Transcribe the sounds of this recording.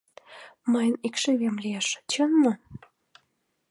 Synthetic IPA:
mɑjnikʃeβʲemlʲieʃt͡ɕənːo

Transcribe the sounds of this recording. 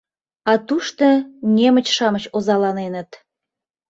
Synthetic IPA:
ɑt̪uʃt̪ɤnʲemə̆t͡ɕʃɑmə̆t͡ɕozɑlɑnenə̆t̪

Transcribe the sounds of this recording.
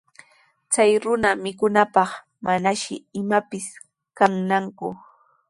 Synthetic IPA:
t͡sajɾʊnamɪkʊnapɑχ | manaʃɪ̰ɪmapɪs | kaŋnaŋkʊ

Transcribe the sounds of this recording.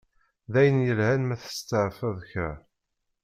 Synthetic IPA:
ðæjənjəlhænmæθə̥st̪əʕfæðçɾæ̰

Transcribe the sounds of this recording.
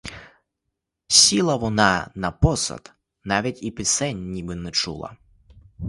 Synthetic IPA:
sʲilˠɐʋɔnanɐpɔsɐ̰t̪ | naʋʲitʲipɪsɛnʲːibɨnɛt͡ʂṵlˠɐ̰

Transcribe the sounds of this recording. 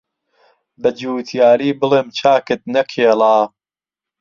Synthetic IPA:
bɐd͡ʒuːt̪ʰjaːɾiːbɨleːmt͡ʃʰaːkɨt̪̚nɐkʰeːlaː

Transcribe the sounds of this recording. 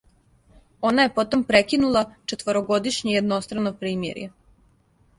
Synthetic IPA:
o̞naje̞po̞t̪o̞mpɾekinulˠat͡ʃet̪ʋoɾoɡo̞d̪iʃɲejed̪no̞st̪ɾanopɾiːmjḛɾje

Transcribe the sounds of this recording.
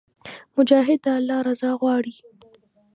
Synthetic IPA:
mʊd͡ʒɑːɦɪd̪̚ːɑalːɑɾazɑɣwɑɽi

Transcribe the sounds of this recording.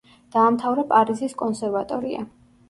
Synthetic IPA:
d̪̥aːmt̪ʰavɾɛpʼaɾiziskʼɔnsɛɾvat̪ʼɔɾia̰

